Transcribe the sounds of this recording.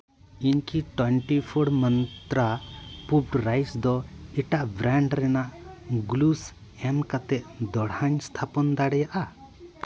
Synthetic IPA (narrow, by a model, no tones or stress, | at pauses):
iɲkiʈwɛɳʈipʰɔɽmənt̪ɾapubʈɾajsd̪ɔɛʈaʔbɾaɳɖɾɛnaʔɡlus | ɛmkat̪ɛʔd̪ɔɽhaɲst̪ʰapɔnd̪aɽɛjaʔa